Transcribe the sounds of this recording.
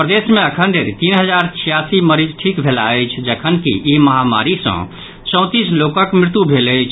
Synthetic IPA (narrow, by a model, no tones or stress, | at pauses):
pɾəd̪eːsmẽəkʰənɖ̪eɾit̪iːnɦəd͡ʒaːɾt͡ʃʰijasiməɾid͡ʒʈʰikbʱela̰et͡ʃʰd͡ʒəkʰənkḭimɐɦama̰ɾisə̰̃ | t͡ʃɔ̃ʊ̃t̪islokə̃kmɾɪt̪ubʱeːləjt͡ʃʰ